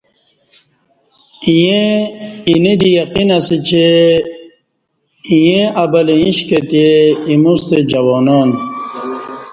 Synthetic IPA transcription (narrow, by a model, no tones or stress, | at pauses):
ije | inid̪ijaqinɐsit͡ɕe | ijẽɐbɐleĩɕket̪ieimust̪ed͡ʑɐwoːnoːn